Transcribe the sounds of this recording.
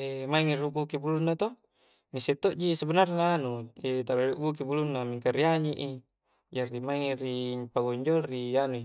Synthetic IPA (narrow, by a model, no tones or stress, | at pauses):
emaiŋiruɡukibulunːat̪o | ŋiset̪ːoʔd͡ʒisabənarnaːnuet̪alaluʔɡuk̬ibulunːamiŋkaɾiaɲiʔi | d͡ʒaɾimaiŋiɾipaɡoɲd͡ʒolrianui